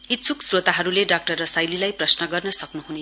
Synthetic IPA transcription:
it̪sʰuksrot̪aɦʌɾuleɖak̚ʈʌrːʌsajlilajprʌsnʌɡʌrnʌsʌknuɦune

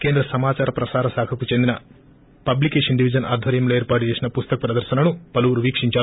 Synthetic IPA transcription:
ke̞ːnd̪ɾɐsɐmaːt͡ʃaːɾɐpɾɐsaːɾɐsaːkʰɐkut͡ʃe̞nd̪inɐ | pɐblikeːʂɐnɖiʋid͡ʒɐnʔa̰ːd̪ʱʋɐɾjɐmlo̞ːeːɾpaːʈ̬ut͡ʃeːsinɐpust̪ɐkɐpɾɐd̪ɐɾʃɐnɐnupɐluʋuɾuʋiːkʂiɲt͡ʃaːɾu

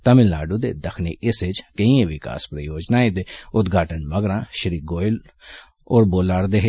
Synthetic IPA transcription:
t̪ɐmɪlnaːɖud̪ed̪ɐkʰniʔɪsed͡ʒkɐĩẽʋɪka̰ːspɾɐjoːd͡ʒnaːẽd̪eʊd̪ɡʱaːʈənmɐɡɾãːʃɾiːɡoːɪl | ɔːɾboːlaːɾd̪eɦ

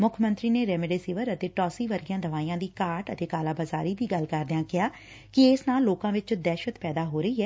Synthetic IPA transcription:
mʊkʰmə̃nt̪ɾiːneːɾɛːmɪɖeːsɪːʋəɾət̪eːʈɔːsiːʋəɾɡɪjãːd̪əʋaːiːãːd̪iːkaːɾʈət̪eːkaːlaːbəzaːɾiːd̪iːɡəlkəɾd̪ɪjãːkɪɦaː | kɪeːsnaːlːoːkãːʋɪt͡ʃd̪ɛːʃət̪pɛːd̪aːɦoːɾəiːɦɛː

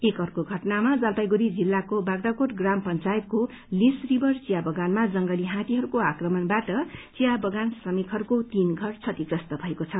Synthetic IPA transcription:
ekɦʌɾukoɡʱʌʈnamad͡zalp̪ajɡuɾid͡zilːakobaɡd̪akoʈɡrampʌnt͡sajet̪̚ko | lisribʱʌrt͡sijabʌɡanmad͡zʌŋɡʌliɦãt̪iɦʌɾukoakrʌmʌnbaʈʌt͡sijabʌɡansrʌmikɦʌɾukot̪inɡʱʌrt͡sʰʌt̪iprʌst̪ʌbʱʌekot͡sʰʌ

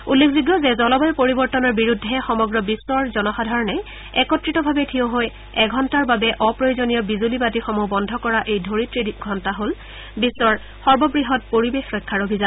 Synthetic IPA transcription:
ulːekʰziɡjɔzɛzɔlɔbɔjpoɹibɔɹtɔnɔɹbiɹudʱːɛxɔmɔɡɹɔbisːɔɹzɔnɔxadʱaɹɔnɛj | ɛkɔtɹitɔbʱabɛtʰiõɦoj | ɛɡʱɔntaɹbabɛʔɔpɹojozonijɔbizulibatixɔmubɔndʱɔkɔɹaʔejdʱoɹitɹidɡʱɔntaɦol | bisːɔɹ | xɔɹbɔbɹiɦɔt̚poɹibexɹɔjkʰːaɹobʱizan

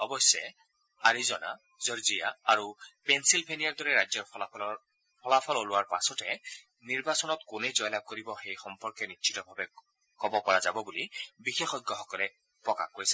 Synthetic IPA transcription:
ɔbɔsɛ | aɹizɔna̰ | zɔɹzija̰aɹupɛnsilbʱenijaɹdɔɹɛɹajzɔɹɔ | pʰɔlapʰɔlolʊwaɹpa̰sɔtɛ | niɹbasɔnɔtkʊnejzɔjlab̚koɹibɔxejxɔmpɔɹkɛnitːʃʰi̥tɔbʱabɛ | kɔbɔkɔɹazabɔbulibixexɔjɡːɔxɔkɔlɛ | pɹɔka̰xɡoɹisɛ

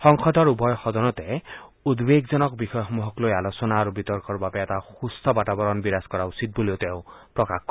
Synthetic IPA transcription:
xɔŋxɔd̪ʱɔɹubɔjxɔd̪ɔnɔt̪ɛud̪beɡzɔnɔkbixɔjɔɔmuɦɔklojalosɔnaːɾubit̪ɔɹkɔɹbabɛːtaxust̪ʰɔbatabɔɾɔnbiɾaskɔɾausit̪̚buliot̪eʊ̃pɹɔkaxk

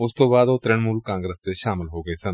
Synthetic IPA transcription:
ʊst̪õːbaːd̪oːt̪ɾɪɳ̃muːlkãːŋɡɾəsseʃaːmɪlɦoːɡɐeːsɐ̃n

